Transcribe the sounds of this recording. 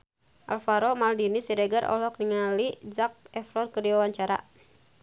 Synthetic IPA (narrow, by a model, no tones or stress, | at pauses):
ʔa̰lfaɾɔmaldinisiɾɛɡəɾʔɔ̰lɔk̚niŋalid͡ʒak̚ɛfɾɔrkərdiwawaɲt͡ʃaɾa̰